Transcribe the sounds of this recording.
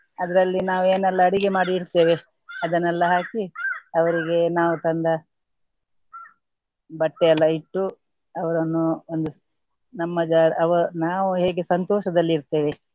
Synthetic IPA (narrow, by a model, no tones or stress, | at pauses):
ɐd̪ɐɾɐlːinaːʋue̞ːnɛlːɐːɽiɡe̞maːɽiːɾt̪e̞ːʋe | ɐd̪ɐnːɛlːɐɦaːkiɐʋɐɾiɡe̞naːʋut̪ɐnd̪ɐ | bɐʈːeɐlːɐiʈːu | ɐʋɐɾɐnːuond̪u | nɐmːɐd͡ʒaːɾɐʋɐnaːʋuɦe̞ːɡesɐnt̪ɔːʃɐd̪ɐlːiːɾt̪e̞ːʋe